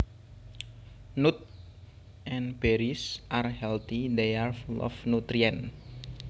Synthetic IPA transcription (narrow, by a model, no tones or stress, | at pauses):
nut̪̚ | ʔɛnb̥eɾisʔarhɛlt̪id̪earflɔ̰fnut̪ɾiɛn